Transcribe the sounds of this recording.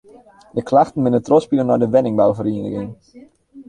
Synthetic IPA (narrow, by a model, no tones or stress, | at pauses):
dəklaxtən̩mɪnətrɔspilənɔjdəʋɛnɪŋbaovəɾiənə̰ɡɪŋ